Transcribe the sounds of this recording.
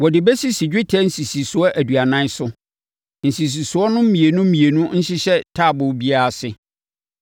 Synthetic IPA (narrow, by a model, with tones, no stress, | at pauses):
wɔ˨dɪ˨bɛ˦si˦si˨d͡ʑᶣɪ˦tʰɛ˦n̩˦si˨si˨sʊ˨ɔ˦ʔæ˨du˨a˨nã˦n˦sʊ˦ | n̩˨si˨s̬i˨sʊ˨ɔ˦nʊ̃˦m̩˦mĩ˨e˨nʊ̃˦m̩˦ĩ˨e˨nʊ̃˦n̩˦ɕɪ˦ɕɛ˦tʰaː˦˨bʊ˨˦bi˦a˦a˨sɪ˦